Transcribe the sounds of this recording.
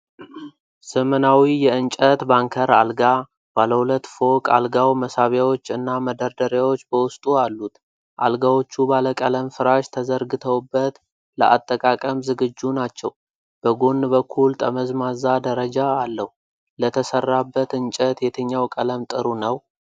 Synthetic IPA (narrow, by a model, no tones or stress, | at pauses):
səmənawijɛɨnt͡ʃʼət̪baŋkʰəɾa̰lɡa | b̥aləhulət̪ːfo̞kʼa̰lɡawməsaβjawo̞t͡ʃːɨnːaməd̪əɾd̪əɾjawo̞t͡ʃːbəwʊst̪ʼualːut̪ | ʔa̰lɡawo̞t͡ʃːubaləkʼələmfɨɾaʃt̪ʰəzəɾɡɨt̪ʰəwbːət̪ | lə̰ʔa̰t̪ʼːəkʼakʼəmzɨɡɨd͡ʒːunat͡ʃːɛw | b̥əɡo̞nːbəkʰːult̪ʼʰəməzmazad̪əɾəd͡ʒaːlːəhu | lət̪ʰəsərːabːət̪ɨnt͡ʃʼət̪jɛt̪ʰəɲːawkʼələmt̪ʼɨɾunəw